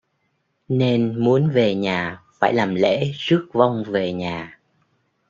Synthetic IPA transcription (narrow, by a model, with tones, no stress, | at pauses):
ne˧nmu˨˦ənve˨˩ɲaː˨˩faː˧˩jlaː˨˩mlḛ˧˥zɨ˦˥ək̚va˧wŋ͡mve˨˩ɲaː˨˩